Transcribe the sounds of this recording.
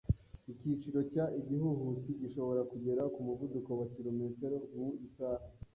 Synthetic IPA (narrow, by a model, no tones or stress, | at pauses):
icit͡ʃiɾo̞caʔiɟihuɦusiɟiʃo̞βo̞ɾakuɟe̞ɾakumuvuduko̞wakilo̞me̞ːte̞ɾomuisaːha